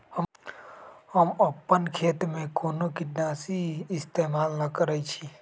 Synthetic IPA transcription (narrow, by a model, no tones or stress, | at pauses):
hə | həməpːənkʰeːt̪mẽkoːnokidnaːsiːst̪emaːlːəkəɾəjt͡ʃʰi